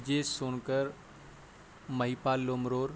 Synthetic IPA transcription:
d͡ʑeːsoːnkəɾ | məɦipaːlːoːmɾoːɾ

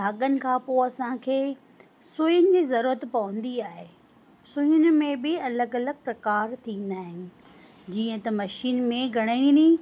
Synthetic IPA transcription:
bʱaːɠənɪ̆kʰãːpoɐsãkʰeː | sʊjʊnɪ̆d͡ʑiːzɐɾuːɾət̪pɐʋə̃nd̪iaːɦe | sʊjʊnɪ̆mẽbɪɐləɡɐləɡ̚ʱpɾɐkaːɾt̪ʰĩːn̆d̪aːɦɪnɪ̆ | d͡ʑiːə̃t̪ɐmɐʃiːnmẽɡʱɐɽ̃aɪɽ̃ini

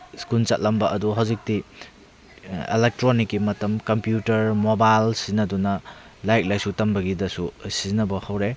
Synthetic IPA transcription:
skunt͡ʃɐt̚lɐmbɐʔɐduɦawzik̚ti | ḛlek̚tɾonikːimɐtɐmkɐmpjutɐɾmobajlsinɐdunɐ | lajt̚lajsutɐmbɐɡidɐsusizinɐbɐhawɾe

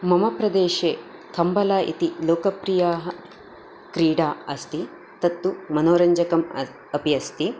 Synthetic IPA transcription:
mɐmɐpɾɐd̪eːʃeːkɐmbɐlaːʔḭt̪iloːkɐpɾijaːɦɐ̆ | kɾiːɖaːɐst̪i | t̪ɐt̪ːumɐnoːɾɐɲd͡ʒɐkɐm | ɐpiɐst̪i

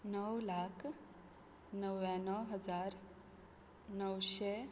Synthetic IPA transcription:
nəwlakʰ | nəʋanəɦəd͡ʒaɾ | nəwʃe

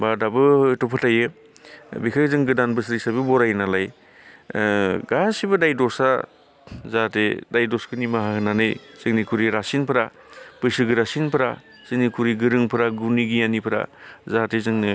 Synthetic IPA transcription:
badabɯtɔpʰɯtajɯ | bikʰazɯŋɡɯdanbɯsɾik̚sajbɯbɔɾajnalaj | ɡasibɯdajdɔsa | zatedajdɔskɯnimaɦakɯnanɯjsɯŋnikʰuɾiɾasinpʰɯɾa | pɯsɯɡɯɾasinpʰɾa | sɯŋnikʰuɾiɡɯɾɯŋpʰɯɾaɡuniɡijanipʰɾa̰zatezɯŋɯ

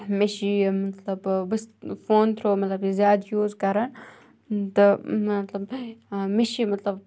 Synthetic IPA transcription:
meʃimɐt̪lɐbbɨsfoːnt̪ʰɾoːmɐt̪lɐbizjaːd̪juːzkɐɾɐn | t̪ɨɐt̪lɐbmeʃimɐt̪lɐb

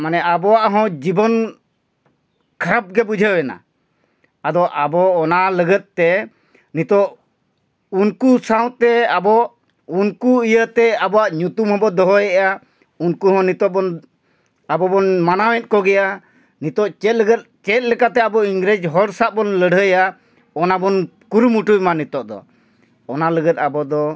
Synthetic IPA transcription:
manɛʔabɔaʔɦɔ̃d͡ʒibɔn | kʰaɾap̚ɡɛbud͡ʒʱəwɛna̰ | ad̪ɔʔabɔːnaləɡət̪̚t̪ɛ | nit̪ɔʔ | unkusaw̃t̪ɛabɔʔ | unkuijət̪ɛabɔwaʔɲut̪umɦɔ̃bɔd̪ɔɦɔjɛʔa | unkuɦɔ̃nit̪ɔʔbɔn | abɔbɔnmanawɛ̃t̪̚ˀkɔɡɛja | nit̪ɔʔt͡ʃɛt̪̚ˀləɡət̪̚t͡ʃɛt̪̚lɛkat̪ɛabɔiŋɡɾed͡ʒɦɔɾsaʔ̚bɔnləɽʱəja | ɔnabɔnkuɾumuʈujmanit̪ɔʔd̪ɔ̰ː | naləɡət̪̚abɔd̪ɔ

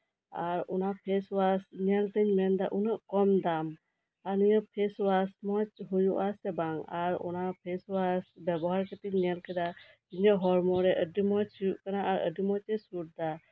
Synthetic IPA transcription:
aɾɔnapʰɛswasɲɛlt̪əɲmɛnd̪aʔunaʔkɔmd̪am | anijəpʰɛswasmɔt͡ʃɦujuʔasɛbaŋaɾɔ̰napʰɛswasbɛbɔɦaɾkɛt̪iɲɲɛlkɛd̪a | d͡ʒiɲɔʔɦɔɾmɔɾɛʔəɖimɔt͡ʃt͡ʃʰijuʔkanaʔaɾə̰ɖimɔt͡ʃɛsuʈ̚d̪a

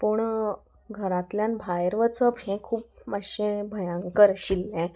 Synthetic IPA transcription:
puɳ | ɡʱəɾãt̪ljanbʱajɾʋət͡səphɛ̃kʰuːp̚məɕẽbʱəjãŋkəɾɕilːɛ̃

